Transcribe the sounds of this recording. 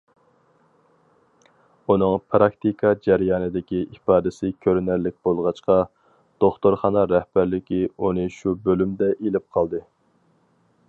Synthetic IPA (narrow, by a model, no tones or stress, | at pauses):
unɨŋpʰɾɑk̚t̪ikʰɑd͡ʒɛɾjɑːnɨd̪ɪkʲiʔipɑːd̪ɪsɪkʲʰøɾnæɾlːɪk̚ʲb̥olˠʁɑt͡ʃqɑ | d̪̥oχt̪oɾχɑːnɑɾɛhb̥æɾlɪkʲiunɨʃubølymd̪ɛʔelɪp̚qʰɑlˠd̪ɨ